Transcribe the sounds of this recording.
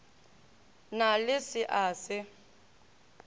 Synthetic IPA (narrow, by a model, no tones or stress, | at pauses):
nalɪsɪʔaːsɪ